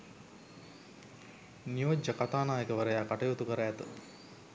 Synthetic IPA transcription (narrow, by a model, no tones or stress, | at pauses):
nijod͡ʒːəkat̪aːnaːjəkəʋəɾəjaːkaʈɐjoːt̪ukəɾəæt̪ə̰